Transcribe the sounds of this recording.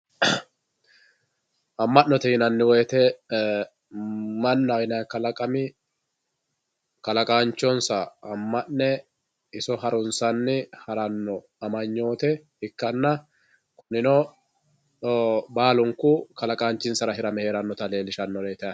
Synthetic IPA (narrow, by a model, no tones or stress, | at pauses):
ʔɐmːɐnnːɔt̪ɛhɪnɐnːɪweːt̪ɛ | mɐnːɐɪnɐkːɐlɐkʼɐmɪ | kɐlɐkʼaːnt͡ʃːɔnsɐːmːɐnnɛ | ɪsɔɦɐɾʊnsɐnːɪhɐɾɐnːɔ | ɐmɐɲːo̞ːt̪ɛ | ɪkːɐnːɐ | kʊnɪnɔ | baːlʊŋkʊkɐlɐkʼaːnt͡ʃːɪnsɐɾɐɦɪɾɐmɛhe̞ːɾɐnːɔt̪ɐle̞ːlɪʃɐnːɔɾeːt̪ɛɐ